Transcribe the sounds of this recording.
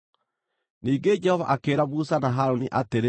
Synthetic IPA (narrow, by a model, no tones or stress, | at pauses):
niːɡed͡ʒɛhɔva̰ʔakeːɾamusanaɦaɾoniʔateɾe